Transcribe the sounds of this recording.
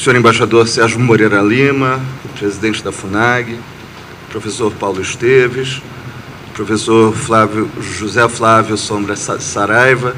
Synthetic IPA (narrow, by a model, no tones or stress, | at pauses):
sẽɲoɾẽbaʃad̪oɾsɛɾʒʊmoɾeɾɐlĩmɐʊpɾezid̪ẽnt͡ʃɪd̪ɐfunaɡɪ | pɾofesoɾpawlʊɪʃt̪evɪʃ | pɾofesoɾflavjʊʒuzɛflavjʊsõbɾɐsaɾajvɐ